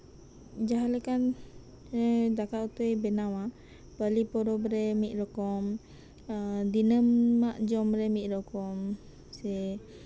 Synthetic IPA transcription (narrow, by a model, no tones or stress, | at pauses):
d͡ʒaɦalekan | edakaʔut̪ujbenawa | pəlipɔɾɔbɾemiʔɾɔkɔm | d̪inəmːaʔd͡ʒɔmɾemiʔɾɔkɔm | se